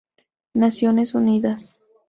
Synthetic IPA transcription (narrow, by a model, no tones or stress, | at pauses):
nasjonesuniðas